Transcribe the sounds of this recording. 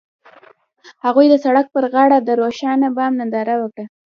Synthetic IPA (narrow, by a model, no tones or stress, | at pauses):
haɣujd̪əsaɽak̚pəɾɣɑɽad̪əɾoʃɑnabamnand̪ɑɾawəkɽə